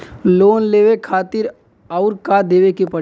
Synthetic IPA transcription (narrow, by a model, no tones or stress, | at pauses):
loːnleːʋekʰaːt̪ɪɾ | aʊɾkad̪eːʋekipɐ